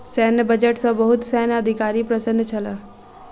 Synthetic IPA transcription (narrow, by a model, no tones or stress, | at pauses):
sɛːnbəd͡ʒəʈsobəɦʊt̪sɛːnəd̪ʱɪkaːɾipɾəsə̃nd̪ʱt͡ʃʰɐlaː